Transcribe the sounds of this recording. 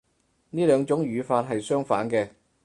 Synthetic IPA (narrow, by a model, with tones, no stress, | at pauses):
niː˥lœː˨˧ŋt͡sʊ˨˥ŋjyː˨˧faː˧t̚ɦɐ˨jsœː˥ŋfaː˨˥nkɛː˧